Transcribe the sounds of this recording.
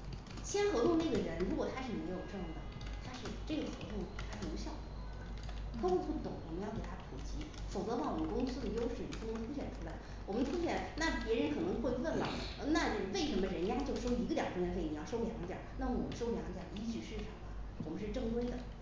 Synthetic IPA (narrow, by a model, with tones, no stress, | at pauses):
t͡ɕʰjɛ˥nxwɤ˧˥t̪ʊ˥˧ŋne˥˩ɡə˩ɻə˧˥nɻu˧˥kwɔ˨˩t̪ʰa˥ʂɻ̩˥˩me˧˥ɪjo˨ʊʈ͡ʂɤ˥˧jd̪ə̰˩t̪ʰa˥ʂɻ̩˥˧ʈ͡ʂɤ˥˩ɡə˩xwɤ̰˧˥t̪ʊ˥˩ŋʰ˨a˥ʂu˧˥ɕjɑ˥˩ʊ˧˩˧ə˦˩ | xxɤ˧˥t̪ʊ˥˧ŋt̪ʰu˥˩t̪ʊ˨˩ŋwɔ˨˩mə˦˥jɑ˥˩ʊke˨˩t̪ʰa˥pʰṵ˨˩t͡ɕi˥˩fo˨˩ʊt͡sɤ˧˥wɑ˥˩wɔ˨˩mə˦nkʊ˥ŋsɹ̩˥˩d̪ə˩jo˥ʊʂɻ̩˥˩i˨˩ʈ͡ʂʊ˥ŋkwɔ˧˥tʰu˥ɕɥɛ˨˩nʈ͡ʂʰu˥la˧˥ɪ | wɔ˨˩mə˦nt̪ʰu˥ɕjɛ˨˩lna˥˩pjɛ˧˥ɻə˧˥nkʰɤ˨˩nɤ˧˥ŋxwwə˥˩nlə̰˨˩˧ | na˥˩we˥˩ɪʂə˧˥mə˧ɻə˧˥nja˥˧t͡ɕjo˥˩ʊʂo˥ʊi˧˥ɡə˧t̪jɑ˨˩kʊ˥ŋɥɛ˧˥nfe˥˩ni˨˩jɑ˥˩ʊʂo˥ʊljɑ̰˧˥ŋ˥t̪jɑ̰˨˩˦na˥˩m˧˩wʂo˥ljɑ˧˥ŋ˥t̪jɑ˨˩i˥t͡ɕy˥˧ʂɻ̩˥˩ʈ͡ʂʰɑ˨˩ŋlɐ˦ | wɔ˨˩mə˦ʂɻ̩˥˧ʈ͡ʂɤ˥˧ŋt̪we˥ɪd̪ə̰˨